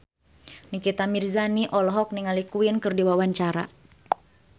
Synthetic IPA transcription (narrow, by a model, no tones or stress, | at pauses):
nikit̪amirzaniʔɔlɔɦɔk̚niŋalikuinkɨrdiwawaɲt͡ʃaɾa̰